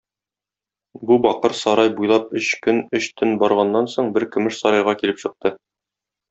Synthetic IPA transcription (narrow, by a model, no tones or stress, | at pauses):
bubɒqɤɾsɒɾɑjbujlˠɑp̚ɵɕkɵnɵɕt̪ʰɵnbɒɾʁɑnːɑnsoɴbɘɾkɵ̆mɘʃsɒɾɑjʁɑkilɘpɕɤ̆q̚t̪ɤ